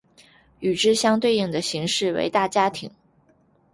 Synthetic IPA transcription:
y˨˩ʈ͡ʂɻ̩˥ɕjɑ˥ŋt̪we˥˧ɪi˥˩ŋd̪ə˩ɕi˧˥ŋʂɻ̩˥˩wḛ˧˥ɪt̪a˥˩t͡ɕja˥t̪ʰi˨˩˦ŋ

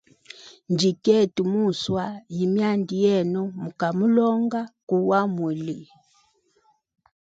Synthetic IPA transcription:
nd͡ʒi˨kɛ˦˨tu˨mu˦˨swa˦ji˨mja˦˨ndi˨jɛ˦˨nɔ˦mu˨ka˨mu˦lɔ˦ŋɡa˦ku˦wa˦mwu˨li˨

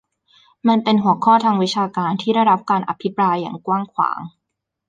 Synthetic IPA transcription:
ma˧npe˧nɦu˨˩˦əkʰɔː˥˩t̪ʰaː˧ŋwi˦˥t͡ɕʰaː˧kaː˧nt̪ʰiː˥˩da˥˩jɾa˦˥p̚kaː˧nʔa˧pʰi˦˥pɾaː˧jːa̰ː˨˩ŋkwaː˥˩ŋkʰwa̰ː˩˦ŋ

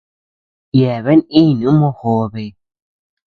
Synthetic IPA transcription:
jɛ˨βɛ˦ni˦˨nu˨˦mɔ˦hoː˦be˨˦

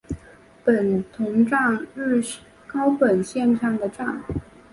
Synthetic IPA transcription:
pə˨˩nt̪ʰʊ˧˥ŋʈ͡ʂɑ˥˧ŋɻ̩˥˩ | kɑ˥ʊpə˨˩nɕjɛ˥˧nɕʰjɑ˥˩ŋd̪ə˩ʈ͡ʂɑ˥˩ŋ

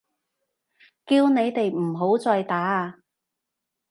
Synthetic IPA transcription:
kiː˧wne˨˧jt̪e˨jm̩˨˩ɦo˨˥wt͡sɔː˧jt̪aː˨˥˧

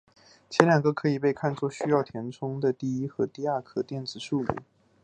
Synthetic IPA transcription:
t͡ɕʰjɛ˧˥nljɑ˨˩ŋɡə˧˥kʰɤ˧˥i˨˩p̬e˥˧ɪkʰa˥˧nt͡swɔ˥˩ɕy˥jɑ˥˩ʊt̪ʰjɛ˧˥nʈ͡ʂʰʊ˥ŋd̪ə˨t̪i˥˧i˥xɤ˧˥t̪i˥˧a˥˧˩kʰɤ˥˩t̪jɛ˥˩nt͡sɹ̩˨˩ʂu˥˧mṵ˥˩˦

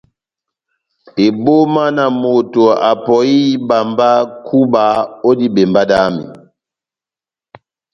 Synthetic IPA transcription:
e˨bo˦ma˦na˨mo˨to˨a˨pɔ˨i˦ba˨mba˦kʰu˦ba˨o˦di˦be˨mba˦da˦mḭ˨

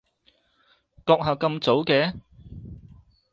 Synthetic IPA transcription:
kɔː˧k̚ɦɐː˨˩wkɐ˧mt͡so˨˥wkɛː˧˥

